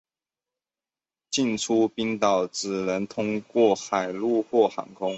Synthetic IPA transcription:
t͡ɕi˥˩nʈ͡ʂʰu˥pi˥nt̪ɑ˨˩ʊt͡sɹ̩˨˩nə˧˥nt̪ʰʊ˥ŋkwɔ˥˩xa˨˩ɪlu˥˧xwɔ˥˩xɑ̰˧˥ŋkʰʊ˥ŋ

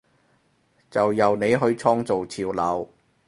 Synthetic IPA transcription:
t͡sɐ˨wjɐ˨wne˨˧jɦɵ˨˧ɥt͡sʰɔː˥ŋt͡so˨wt͡sʰiː˧wlɐ˨˧˥w

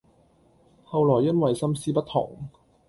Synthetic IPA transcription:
hɐ˨wlɔː˨˩jːɐ˥nwɐ˨jsɐ˥msiː˥pɐ˥t̚t̪ʰɔ̰˨˩ŋ

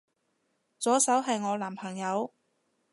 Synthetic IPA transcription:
t͡sɔː˨˥sɐ˨˥wɦɐ˨jŋɔː˨˧laː˨˩mpʰɐ˨˩ŋjɐ˨˧w

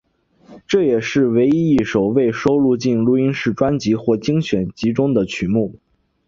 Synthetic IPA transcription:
ʈ͡ʂɤ˥˩jɛ˨˩ʂɻ̩˥˩we˧˥ɪi˥i˥˩ʂo˨˩ʊwe˥˩ɪʂo˥ʊlu˥˧t͡ɕi˥˩nlu˧˥i˥nʂɻ̩˥˩ʈ͡ʂwa˥nt͡ɕi˧˥xwɔ˥˩t͡ɕi˥ŋɕɥɛ˨˩nt͡ɕi˧˥ʈ͡ʂʊ˥ŋd̪ə˨t͡ɕʰy˨˩mu˥˩

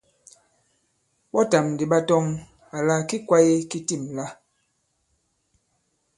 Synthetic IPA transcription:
ɓɔ˦ta˨mdi˨ɓa˦tɔ˦ŋ | a˨la˦ki˦kwa˦je˦ki˦ti˦˨mla˦

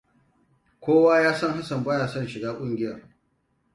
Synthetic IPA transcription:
kʷoː˦waː˦jaː˦sɐ˦˨ŋɦa˦sɐ˨mbaː˦jaː˨sɐ˦˨nʃɪ˨ɡaː˦kʷʼʊ˦ŋɡʲɪ˦jɐ̰˨r

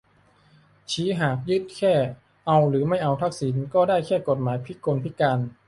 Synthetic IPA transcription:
t͡ɕʰiː˨˩˦ɦaː˨˩k̚jɯ˦˥t̪̚kʰɛː˥˩ | ʔa˧wɾɯː˩˦ma˥˩jʔa˧wt̪ʰa˦˥˩k̚siː˩˦nkɔː˥˩daː˥˩jkʰɛː˥˩ko˨˩t̪̚maː˩˦jpʰi˦˥koː˧npʰi˦˥kaː˧n

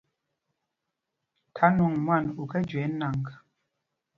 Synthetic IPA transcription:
tʰa˨˦nu˨ŋmwa˦˨nu˨kɛ˦d͡ʒwɛ˨˦na˨ŋk

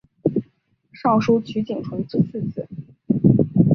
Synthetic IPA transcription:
ʂɑ˥˩ŋʂu˥t͡ɕʰy˧˥t͡ɕi˨˩ŋʈ͡ʂʰwə˧˥ti˥˧t͡sʰɹ̩˥˧t͡sʰɹ̩˥˩

